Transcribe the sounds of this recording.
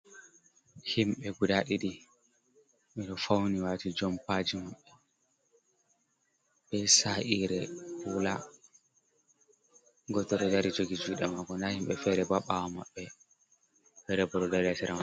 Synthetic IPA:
himɓɛɡudaɗiɗi | miɗɔfawniwaːtid͡ʒɔmpad͡ʒimaɓːɛ | ɓɛsaʔiɾɛula | ɡɔtɔɾɔdaɾid͡ʒoɡid͡ʒuɗɛmaɡɔndahimɓɛfɛɾɛbaɓawamaɓːɛ | ɓɛɾɛbɔɗɔdaɾiasiɾʔama

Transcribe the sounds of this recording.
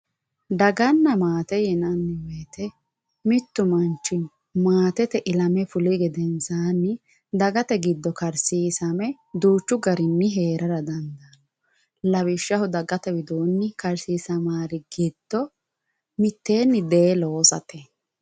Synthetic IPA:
d̪ɐɡɐnːɐmaːt̪ɛjɛnɐnːɪweːt̪ɛ | mɪt̪ːʊmɐnt͡ʃːɪn | maːt̪ɛt̪ɛʔɪlɐmɛfʊlɪɡɛd̪ɛnsaːnːɪ | d̪ɐɡɐt̪ɛɡɪd̪ːɔkɐɾsiːsɐmɛ | d̪uːt͡ʃːʊɡɐɾɪnːɪɦe̞ːɾʔɐɾɐd̪ɐnd̪ɐːnɔ | lɐβɪʃːɐɦʊd̪ɐɡɐt̪ɛwɪd̪oːnːɪkɐɾsiːsɐmaːɾɪɡɪd̪̥ːɔ | mɪt̪ːe̞ːnːɪd̪eloːsɐ̰t̪ɛ

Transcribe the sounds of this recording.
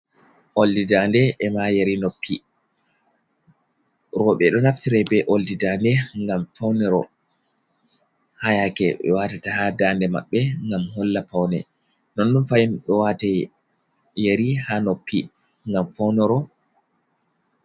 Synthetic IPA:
ʔoldidandɛʔːmajeɾinopʰːi | ɾɔɓɛɗɔnaftiɾɛbɛʔoldidandɛŋɡamfawnɛɾɔ̰ | hajakɛɓɛ̰watatahadandɛma̰ɓːɛŋɡamhɔlːapawnɛ̰ | nɔnɗunfajinɗɔwatɛ | jeɾihanopːi | ŋɡamfawnɛɾɔ

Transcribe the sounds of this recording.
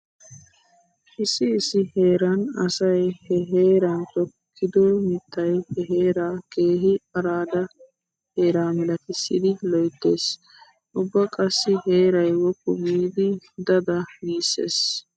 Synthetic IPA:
ʔɪsːɪːsːɪhe̞ːɾɐnɐsɐjhɛɦeːɾɐnt̪ɔkʰːɪd̪oːmɪt̪ːɐjhɛɦeːɾake̞ːɦɪɐɾaːd̪ɐ | he̞ːɾaːmɛlɐkɪsːɪd̪ɪlɔjt̪ːeːs | ʔʊbːɐkʼɐsːɪheːɾɐjwɔkːʊɡiːd̪ɪd̪ɐd̪ɐɡiːsːḛːs

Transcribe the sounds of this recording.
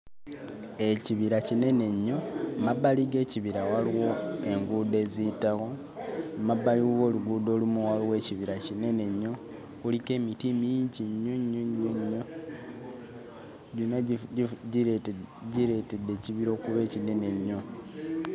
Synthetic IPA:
e̞ciβiɾacine̞ne̞ɲːo̞maβaliɡe̞ːciβiɾawaliwo̞e̞ŋɡuːde̞ːzitaɣo̞ | maβaliwo̞ːluɡudo̞ːlumuwalowe̞ːciβiɾacine̞ne̞ɲːo̞ | kulike̞ːmitimijiːɲɟiɲːoɲːoɲːoɲːo | ɟina | ɟiɾe̞te̞dːe̞ːciβiɾo̞ːkuβe̞ːcine̞ne̞ɲːo̞

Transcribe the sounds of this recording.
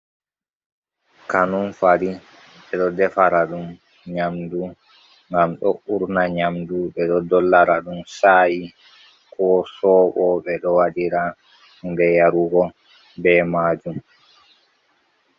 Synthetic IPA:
kanunfaɾi | ɓɛɗɔdɛfaɾaɗum | ɲamdu | ŋɡamɗɔuɾnaɲamduɓɛɗɔdɔlːaɾaɗumsaːji | kʰɔsɔːɓɔɓɛɗɔwadiɾa | mbɛjaɾuɡɔ | bɛmaːd͡ʒum

